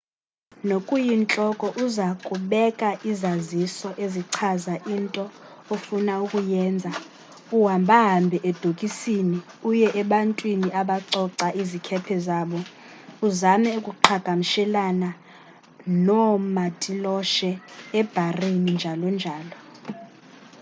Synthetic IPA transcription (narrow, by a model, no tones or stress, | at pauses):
nokʼujint͡ɬʼɔkʼɔʔuzakʼuɓɛkʼaʔizazisɔʔeziǀʰazaʔintʼɔ | ofunaukʼujɛːnd͡zʱa | uɦambʱaɦambʱɛʔɛd̥ʱokʼisini | ujɛʔɛɓantʼwiniʔaɓaǀɔǀaʔizikʰɛpʰɛzaːɓɔ | uzamɛukʼuǃʰaɡ̥ʱamiʃɛlana | nɔmatʼilɔʃɛɛb̥ʱarinind͡ʒʱalɔnd͡ʒʱaːlɔ